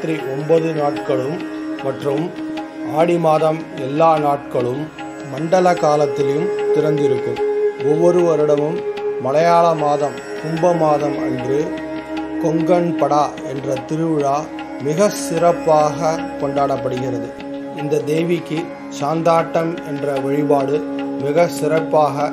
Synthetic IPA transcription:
t̪ɾiʔɔmbɐðɯnaːʈ̚kɐɭɯmːɐʈrɯm | aːɽɪmaːðɐm | ɛlːaːnaːʈ̚kɐɭɯmː | ɐɳɖɐlɐkaːlɐt̪ːɪlɐjɯmt̪ɪɾɐnd̪ɪɾɯkːɯmɔʋːɔɾɯʋɐɾɪɽɐmɯmːɐlɐjaːɭɐmaːðɐm | kʊmbɐmaːðɐmɐ̰ndrɯ | kɔŋɡɐnpɐɽaː | ɛndrɐt̪ɪɾɯʋɪɻaː | mɪɣɐsɪrɐpːaːɣɐkɔɳɖaːɽɐpːɐɽɯɣɪrɐðɯ | ɪnd̪ɐd̪eːʋɪkːɯ | saːnd̪aːʈːɐmɛndrɐʋɐɻɪpaːɽɯmɪɣɐsɪɾɐpːaːɣɐ

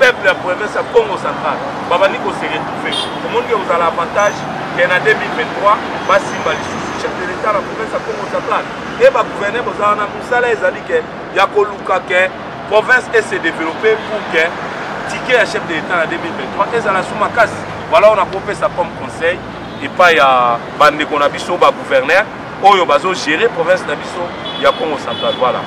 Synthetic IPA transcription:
pɛpljapʁevɛ̃sjakoŋɡosãtal | babandikoseʁetufe | bomɔnikɛozalavãtaʒ | kɛnadømilvɛ̃tʁwa | basimbalisiʃɛfdeletanapʁovɛ̃sjakoŋɡosãtal | ebaɡuvɛʁnɛbozaanamusalaezalikɛ | jakolukakɛ | pʁovɛ̃sesedevelopepuʁkɛ | tikejaʃɛfdeletanadømilvɛ̃twaʔezalasumakasi̥ | vwalaonakopesakɔmkɔ̃sɛj | epaija | bandekonabisobaɡuvɛʁnɛʁ | ojobazoʒeʁepʁovɛ̃snabiso | jakoŋɡosatawala̰

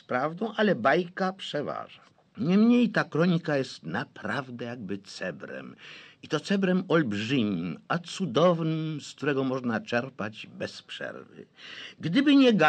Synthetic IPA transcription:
pɾavd̪ɔ̃w̃ʔalɛbajkapʂɛva̰ʐa | ɲɛmɲejt̪akɾɔɲikajɛst̪napɾavd̪ɛjaɡ̚bɘt̪sɛbɾɛ̰mit̪ɔt̪sɛbɾɛmɔlbʐɘmʲimat̪sud̪ɔvnɘmsk̚t̪uɾɛɡɔmɔʐnat͡ʂɛɾpad͡ʑbɛspʂɛ̰ɾvɘ̰ɡd̪ɘbɘɲɛɡa

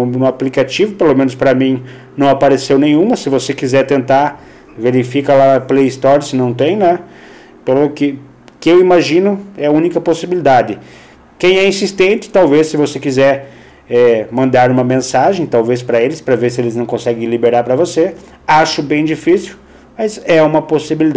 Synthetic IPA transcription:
nũaplikat͡ʃivʊpelomẽnʊspɾɐmĩ | nɐ̃w̃apaɾesewnẽj̃ũmɐsɪvosekizɛɾt̪ẽnt̪aɾ | veɾifikɐlaɐplejst̪ɔɾsɪnɐ̃w̃t̪ẽj̃nɛ | pelʊkɪ | kɪewimaʒĩnʊɛɐũnikɐposibilid̪ad̪ɪ | kẽj̃ɛĩsist̪ẽnt͡ʃ̪ɪ̥t̪awvesːɪvosekizɛɾ | ɛmɐ̃nd̪aɾũmɐmẽsaʒẽj̃t̪awvespɾɐelɪspɾɐveɾsɪelɪznɐ̃w̃kõsɛɡẽj̃libeɾaɾpɾɐvose | aʃʊbẽj̃d͡ʒifisiw | mɐjzɛũmɐposibilid̪

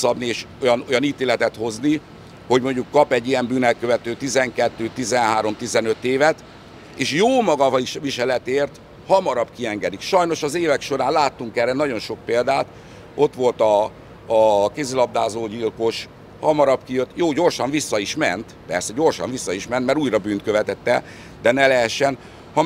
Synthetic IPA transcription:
sɒbnieːʃojɒno̞jɒniːt̪eːlɛt̪ɛt̪ho̞zni | ho̞ɟmo̞ɲɟukːɒpɛɟːijɛmbyːnɛlkø̞vɛt̪øːt̪izɛŋkɛt̪ːøːt̪izɛnɦaːɾo̞mt̪izɛnø̞t̪ːeːvɛt̪ | eːʃjoːmɒɡɒviʃʋiʃɛlɛt̪eːrt̪ | hɒmɒɾɒbkiɛŋɡɛd̪ikʃɒjno̞ʃɒzeːvɛkʃo̞ɾaːnlaːt̪ːuŋkɛɾɛnɒɟo̞nʃo̞k̚peːld̪aːt̪ | o̞t̪ʋo̞lt̪ɒː | kezilɒb̚d̪aːzoːɟilko̞ʃ | hɒmɒɾɒbkijø̞t̪ːjoːɟo̞rʃɒɱvisːɒiʃmɛ̰nt̪pɛ̰rsɛɟo̞rʃɒ̰ɱvisːɒiʃmɛnt̪mɛɾuːjrɒbyːnt̪køvɛt̪ɛt̪ːɛ | d̪ɛnɛlɛɦɛʃːɛn | hɒ

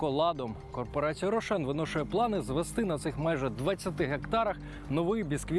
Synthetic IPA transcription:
ɔlˠɑd̪ɔm | kɔrpɔɾɑt͡sʲijɐɾɔʃɛnʋɪnɔʃʊjɛplˠɑnɪzʋest̪ɪnɐt̪sɪxmajʒɛd̪ʋɐt͡st͡sʲːɐt̪ɪɦekt̪ɑɾɐx | nɔʋɪbʲiskʋʲi

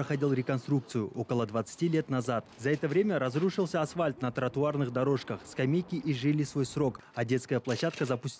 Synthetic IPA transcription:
əxɐdʲilˠɾʲɪkonst̪ɾuk̚t̪sɨjʊʔo̞kəlˠəd̪vət̪sɨ̥tʲilʲe̞t̪nɐzat̪zɐɛt̪əvɾʲe̞mʲəɾɐzɾuʂɨlˠsʲəasfalʲt̪nɐt̪ɾət̪ʊarnɨχd̪ɐɾo̞ʂkəχskɐmʲejkʲɪʔiʐɨlʲisvo̞jsɾo̞k | adʲe̞t̪skəjəplˠɐɕːat̪̚kəzɐpʊsʲtʲ

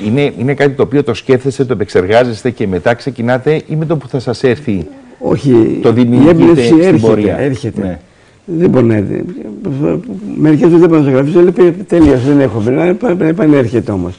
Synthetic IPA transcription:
ine̞ine̞kɐt̪it̪o̞ːpio̞t̪o̞sce̞ft̪e̞st̪et̪oepekse̞ɾɣɐze̞st̪e̞ce̞me̞t̪ɐkse̞cinɐt̪e̞ʔimet̪opuθɐsɐse̞ɾθio̞̰çit̪oðimiiebinefsiseɾçboeɾiɐ̰e̞ɾçet̪ee | ðeboɾnt̪ḛ | me̞ɾikesmɐzðeboɾnɐsoɣɾɐfiselepet̪elio̞sðeneɾxomeɐpɐipɐneɾçet̪eo̞mo̞s

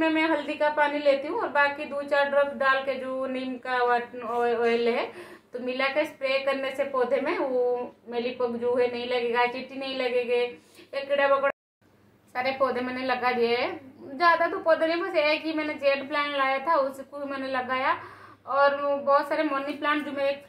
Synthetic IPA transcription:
mẽmɛ̃ɦɐld̪ikapaːnileːt̪iɦũɔːɾbaːkid̪uːt͡ʃaːɾɖɾəfɖaːlked͡ʒoːniːmkaaʈnɔːlɦɛː | t̪omɪlakespɾeːkɐɾnesepɔːd̪ʱemẽʋomeːlipɐɡd͡ʒuːɦɛnɐɦĩlɐɡeːɡat͡ʃɪʈːinɐɦĩlɐɡeːɡeekːɪɽabɐɡɽa | saːɾepɔːd̪ʱemɛ̃ːnelɐɡad̪ieɦɛd͡ʒaːd̪at̪opɔːd̪ʱenẽmɐseɛkimɛːned͡ʒeːɖplãːɳʈlaːjat̪ʰaʊskomɛːnelɐɡaːja | ɔːɾbɔːt̪saːɾemɔːniplãːɳʈd͡ʒoːmẽ

